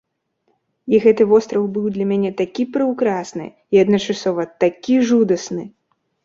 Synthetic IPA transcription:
iɣɛt̪ɨvɔst̪ɾɐwbɨwd̪lʲɐmʲanʲɛt̪akʲipɾɨwkɾasnɨ̰ | iɐd̪nɐt͡ʂasɔvɐt̪akʲiʐud̪ɐsnɨ

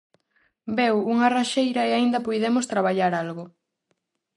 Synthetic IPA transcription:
bewuŋɐraʃejɾɐeaind̪ɐpojðemost̪ɾaβaʎaɾalɣʊ

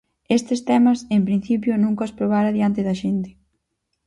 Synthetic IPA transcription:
est̪ɪst̪ɛmɐsempɾĩn̟θipjonũŋkɐspɾoβ̞aɾɐaðjant̪ɪðɐʃent̪ɪ̥

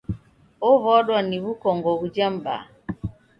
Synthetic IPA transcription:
ɔβɔɗwaniβukɔŋɡɔβud͡ʒamba̰

